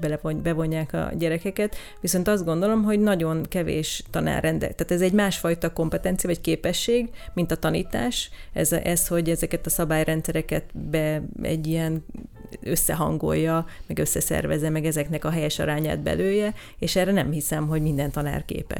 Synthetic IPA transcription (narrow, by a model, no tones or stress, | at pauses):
bɛlɛvobɛvo̞ɲːaːkɒ̰ɟɛɾɛkɛkɛt̪ | ʋiso̞nt̪ɒzd̪ɡo̞nd̪o̞lo̞mɦo̞ɟnɒɟo̞nkɛvḛːʃt̪ɒna̰ːrɛnd̪ɛ̰t̪aːt̪ɛzɛɟmaːʃfɒjt̪ɒko̞mpɛt̪ɛnt̪sijɒvɒckeːpɛʃːeːɡmint̪ɒt̪ɒnḭːt̪aːʃɛ̰zɛsho̞ɟɛzɛkɛt̪ɒsɒbaːjrɛnt̪sɛɾɛkɛt̪bɛɛ̰ɟːijɛn | ø̞sːɛɦɒ̰ŋɡo̞̰jːɒmɛɡø̞sːɛsɛ̰rvɛ̰zːɛmɛɡɛzɛknɛkɒɦɛjɛʃɒ̰ɾaːɲa̰ːd̪̚bɛ̰løːjɛ | eːʃɛrɛnɛmhisɛmɦo̞ɟmind̪ɛnt̪ɒna̰ːrkḛːpɛ̰ʃ